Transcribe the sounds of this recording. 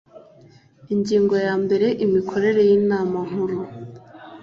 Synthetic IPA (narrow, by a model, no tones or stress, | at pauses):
iɲɟiːŋɡo̞jaːmbe̞ɾe̞ʔimikʰo̞ɾe̞ɾe̞jiːnaːmaŋ̥huɾu